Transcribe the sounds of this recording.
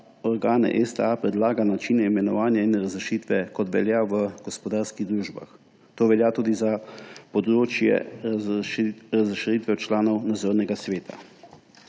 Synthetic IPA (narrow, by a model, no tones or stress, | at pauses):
ɔɾɡaːnɛ̰ʔɛst̪ɛapɾɛd̪laːɡanat͡ʃiːnɛimɛnɔʋaːnjainɾazɾɛʃiːt̪ʋɛkɔt̪ʋɛljaʋəɡ̥ɔspɔd̪aːɾskiɣd̪ɾuːʒba̰x | t̪oːʋɛljaːt̪uːd̪izapɔd̪ɾoːt͡ʃjɛ̰ | ɾazɾɛʃɾit̪ʋɛt͡ʃlaːnɔwnad̪zoːɾnɛɡasʋeːt̪ʰa̰